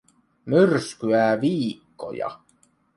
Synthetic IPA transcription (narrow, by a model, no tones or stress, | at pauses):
myrskyæːʋiːkːo̞̰jɑ̰